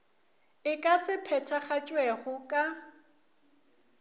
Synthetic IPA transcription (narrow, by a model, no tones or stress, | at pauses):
ɪkʼasɪpʰɛtʰaχat͡ʃʼwɛɣʊkʼa